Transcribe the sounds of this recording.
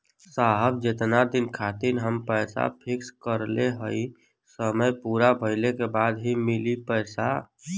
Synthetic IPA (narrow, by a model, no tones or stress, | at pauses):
saɦəb̚d͡ʒet̪nad̪inkʰat̪inɦəmpəɪsa̰pʰikskəɾleɦəi | səməjpuɾabʱəɪlekebad̪ɦimilipəjsa